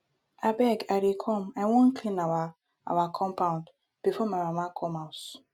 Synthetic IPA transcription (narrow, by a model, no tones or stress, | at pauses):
abɛɡaɾikʰɔmajwõn̩kʰlĩnawa | a̰wakʰɔ̃mpaʊ̃nd | b̥ifɔmamamakʰɔmaʊs